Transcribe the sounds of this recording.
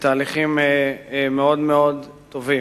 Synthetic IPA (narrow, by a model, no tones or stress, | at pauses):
t̪aːliχimemeo̞d̪meo̞d | t̪o̞vi